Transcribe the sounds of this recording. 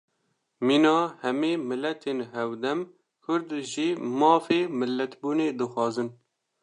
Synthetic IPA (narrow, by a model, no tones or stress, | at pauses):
miːnɑːhɛmeːmɨlːɛt̪ʰeːnɦɛwd̪ɛm | kʰʊɾd̪ʒiːmɑːfeːmɨlːɛt̪buːneːd̪ɨxʷɑːzɨn